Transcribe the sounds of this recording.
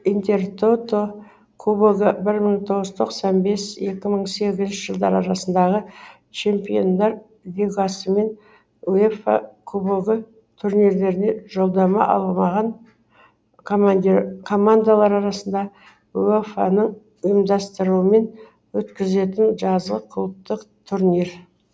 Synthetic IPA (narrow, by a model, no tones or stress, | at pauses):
int̪e̞rt̪ʰot̪o | kʰuboɡəbɪɾməɴt̪ʰo̞ʁəzt̪ʰo̞qsɑnbe̞se̞kʲɪməɴse̞ɡʲɪzɪnʃɪʒ̥əlˠd̪ɑɾɑɾɑsənd̪ɑʁə | t͡ʃʰe̞mpijo̞nd̪ɑɾ | lʲiɡasəme̞n | uefa̰kʰuboɡə | t̪ʰuɾniɾle̞ɾɪne̞ʒo̞lˠd̪ɑmɑ̰ʔɑ̰lˠəmɑʁɑn | kʰmkʰo̞mand̪alˠɑɾɑɾɑsənd̪ɑ | uefa̰nəɴ | ʊjəmd̪ɑst̪əɾuəme̞n | wɵt̪kʲɪze̞t̪ɪnʒɑzʁəqʰʊlˠəp̚t̪əqt̪ʰuɾniɾ